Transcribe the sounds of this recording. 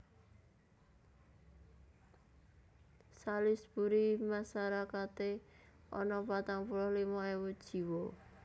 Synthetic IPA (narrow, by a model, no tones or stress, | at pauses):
salɪsb̥uɾimasaɾakat̪e | ʔɔ̰nɔpat̪aŋpulɔhlimɔewu̥ʒ̥i̤wɔ